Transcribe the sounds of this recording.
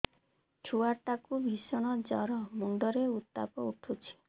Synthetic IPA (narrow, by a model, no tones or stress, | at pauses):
t͡ʃʰuaʈakubʱisɔɽ̃ɔd͡ʒɔɾɔmuɳɖɔɾeut̪ːa̰pɔuʈʰut͡ʃʰi̥